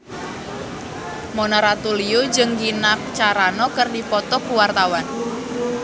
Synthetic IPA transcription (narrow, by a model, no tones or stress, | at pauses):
mɔnɔɾat̪uliud͡ʒəŋɡinak̚t͡ʃaɾanɔkərdipɔt̪ɔkuwart̪awan